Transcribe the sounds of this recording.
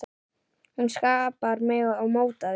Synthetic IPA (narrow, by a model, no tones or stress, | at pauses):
hunskaːpaɾmɛawmowt̪að